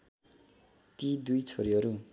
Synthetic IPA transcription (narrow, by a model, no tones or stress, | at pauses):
t̪id̪ujt͡sʰoɾiɦʌɾu